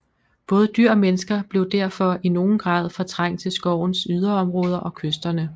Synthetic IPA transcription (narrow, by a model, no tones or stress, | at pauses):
b̥ɔ̽ːð̞ˠəd̥yɐ̰ɒ̽menəsɡ̥ɐb̥le̝ʊd̥æɐ̰fɒ̽ino̝ːn̩ɡ̥ʁɑ̈ːð̞ˠfɒ̽t͡sʰʁɑ̈ŋ̰t͡sʰe̝lsɡ̥ɒʊ̰n̩syð̞ˠɐɒ̽mʁɔ̽ːð̞ˠɐʔɒ̽kʰøsd̥ɐnə